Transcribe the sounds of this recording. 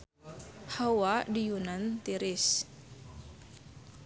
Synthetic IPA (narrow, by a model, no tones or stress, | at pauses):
hawadijunant̪iɾɪs